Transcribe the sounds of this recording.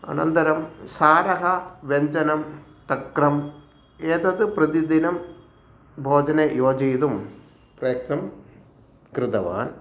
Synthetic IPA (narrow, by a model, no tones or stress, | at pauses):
ɐ̰nɐ̰nt̪ɐɾɐmsaːɾɐɦɐʋeɲd͡ʑɐnɐm | t̪ɐkrɐm | eːt̪ɐðɨprɐd̪id̪inɐm | bʱoːd͡ʑɐnɐjoːd͡ʑiːt̪um | prɐjɐk̚nɐm | kɾɨt̪ɐʋa̰ːn